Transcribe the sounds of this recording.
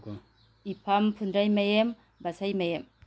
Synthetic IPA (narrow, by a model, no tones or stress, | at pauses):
ipʰampʰundɾajmajem | basajmajem